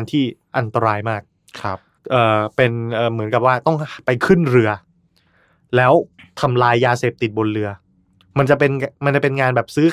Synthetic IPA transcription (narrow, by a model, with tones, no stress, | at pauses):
nt̪ʰiː˥˩ʔa˧nt̪a˧ɾaː˧jmaː˥˩k̚ʰ | p̚ | ʔɤː˨˩pe˧nʔɤː˨˩mɯ˩˦nka˨˩p̚waː˥˩t̪ɔ˥˩ŋpa˧jkʰɯ˥˩nɾɯ˧ɐ | lɛː˦˥wt̪ʰa˧mlaː˧jːaː˧se˨˩p̚t̪i˨˩t̪̚bo˧nɾɯ˧ɐ | ma˧nt͡ɕa˨˩pe˧nma˧nt͡ɕa˨˩pe˧nŋaː˧nbɛː˨˩p̚sɯː˦˥